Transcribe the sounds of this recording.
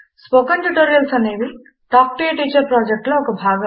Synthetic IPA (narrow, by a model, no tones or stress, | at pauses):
spokɐɳʈuʈoːɾijɐlsɐneːʋ̪im | ʈaːkʈiɐʈiːt͡ʃɐɾpɾoːd͡ʒek̚ʈloɔkɐbʱaːɡɐ